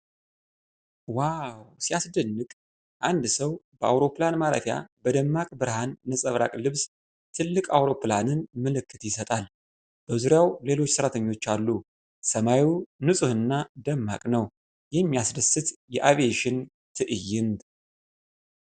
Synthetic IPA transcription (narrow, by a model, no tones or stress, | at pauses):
wawsiasd̪ənːɨɡʼ | ʔand̪səwbəʔa̰wɾo̞planmaɾə̰fja̰bəd̪əmːakʼbɨɾhanːəsʼəβɾa̰kʼlɨβs | t̪ʰɨlːɨkʼawɾo̞planɨnməlɨkʰːɨt̪jɪsət̪ʼal | b̥əzuɾjawle̞lo̞t͡ʃːsɨɾat̪ʰəɲːwo̞t͡ʃːalːu | səmajunɨsʼɨhɨnːad̪əmːa̰kʼnəw | jɛmːijasdəsɨt̪jɛʔaveʃɪn | t̪ʰɨʔɨjːɪnd̪